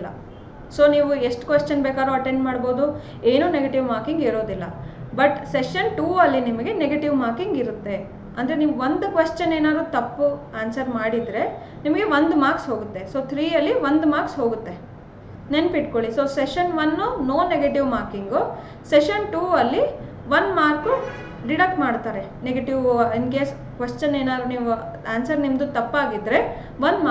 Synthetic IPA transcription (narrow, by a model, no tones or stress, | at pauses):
ɐ̰ | so̞ːniːʋueʂʈkʋest͡ʃɐnbeːkaːd̪ɾoːɐʈeɳɖmaːɽbo̞ːd̪u | eːnuːneɡeʈiʋmaːɾkiŋɡiɾoːd̪ilːɐbɐʈseʃɐnʈuːɐlːinimɐɡe̞neɡeʈiʋmaːɾkiŋɡiɾut̪ːe̞ | ɐnd̪ɐɾenimɐɡʋond̪ukʋest͡ʃɐneːnaːd̪ɾuːt̪ɐpːuaːnsɐɾmaːɽid̪ɾe̞ | nimɐɡe̞ʋond̪maːksɦoːɡut̪ːe̞soːt̪ʰɾiːɐlːiʋond̪maːɾksɦoːɡut̪ːe̞ | nenpiʈkoɭisoːseʃɐnʋɐnːunoːnːeɡeʈiʋmaːɾkiŋɡu | seʃɐnʈuːɐlːi | ʋɐnmaːɾku | ɖiɽɐk̚ʈmaːɖt̪aːɾe̞ | neɡeʈiʋɐnɡe | kʋest͡ʃɐneːnaːd̪ɾuniːʋuaːnsɐɾnimd̪ut̪ɐpːaːɡid̪ɾe̞ | ʋɐnd̪ma